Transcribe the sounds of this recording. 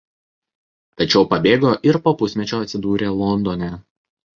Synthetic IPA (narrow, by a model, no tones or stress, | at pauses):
t̪ɐt͡ʃʲɛʊpɐbʲeːɡoːʔɪɾpoːpʊsʲmʲɛt͡ʃʲoːɐt̪sʲɪd̪uːɾʲeːlˠɔnd̪ɔːnʲɛː